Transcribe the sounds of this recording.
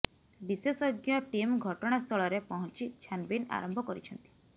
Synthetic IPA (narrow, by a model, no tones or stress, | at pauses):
bisesɔɡjɔʈimɡʱɔʈɔɽ̃ast̪ʰɔɭɔɾepɔɦɔnt͡ʃit͡ʃʰanbina̰ɾɔmbʱɔkɔɾit͡ʃʰɔnt̪i̥